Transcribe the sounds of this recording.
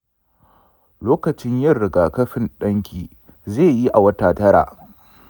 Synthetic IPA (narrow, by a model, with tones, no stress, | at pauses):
loː˦kɐ˨t͡ʃɪ˦ɲjɐ˦˨rɽɪ˨ɡaː˨kɐ˦ɸɪ˦˨nɗɐ˦ŋkʲʰiː˨ | zeː˦˨ji˦ʔa˨wɐ˦taː˨tɐ˦ɾa̰ː˨ʔ